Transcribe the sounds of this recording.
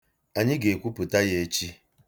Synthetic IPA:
a˨ɲɪ˦ɡe˨kʷu˦pu˨ta˦je˦e˦t͡ʃi˦

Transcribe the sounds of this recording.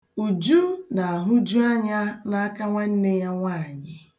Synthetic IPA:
u˨d͡ʒu˦na˨a˨ɦʊ˦d͡ʒu˦a˦ɲa˦na˦a˦ka˦ŋʷa˦n̩˦ne˦ja˦ŋʷaː˦˨ɲɪ˦

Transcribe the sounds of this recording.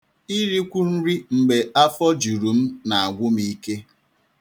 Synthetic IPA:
i˦ɾi˦kʷu˦n̩˦ɾi˦ŋ͡m̩˨ɡ͡be˨a˦fɔ˦d͡ʒu˨ɾu˨m̩˦na˨a˨ɡʷʊ˦mi˦ke˦

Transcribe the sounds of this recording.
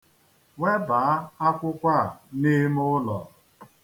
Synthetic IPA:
we˦ba˨a˦a˦kʷʊ˦kʷa˦˨ni˦m˦ʊ˦lɔ̰˨

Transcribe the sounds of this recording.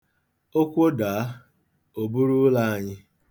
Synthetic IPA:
o˦kʷo˦da˨a˦ | o˨bu˦ɾu˦la˦a˨ɲɪ˦

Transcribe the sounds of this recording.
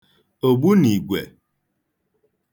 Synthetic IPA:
o˨bu˦ni˨ɡwɛ̰˨

